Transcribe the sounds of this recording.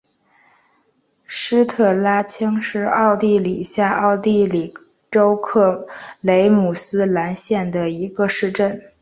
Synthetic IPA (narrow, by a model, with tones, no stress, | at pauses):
ʂɻ̩˥t̪ʰɤ˥˩la˥t͡ɕʰi˥ŋʂɻ̩˥˧ɑ˥˧ʊt̪i˥˩li˨˩ɕja˥˧ʔɑ˥˧ʊt̪i˥˩li˨˩ | ʈ͡ʂo˥ʊkʰɤ˥˩le˧˥ɪmu˨˩sɹ̩˥la˧˥nɕjɛ˥˩nd̪ə˩i˧˥ɡə˧ʂɻ̩˥˧ʈ͡ʂə˥˩n